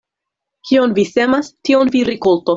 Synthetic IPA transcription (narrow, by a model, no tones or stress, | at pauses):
kio̞nvisemastionviɾikolto